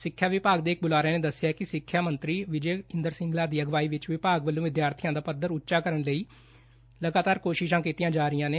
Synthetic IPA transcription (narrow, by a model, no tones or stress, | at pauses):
sɪkʰːjaːʋɪpaːɡ̚d̪eːk̚bʊlaːɾɛːneːd̪əsːɪjaɛkɪsɪkʰːjaːmənt̪ɾiːʋɪd͡ʒeːɪnd̪əɾsɪ̃ŋɡlaːd̪iːəɡʋaːiːʋɪt͡ʃʋɪpaːɡʋəlːõːʋɪd̪jaːɾt̪ʰɪjãːd̪aːpəd̪əɾʊtːʃaːkəɾəɳləiː | ləɡaːt̪aːɾkoːʃɪʃãːkiːt̪ijãːd͡ʒaːɾɪjãːneː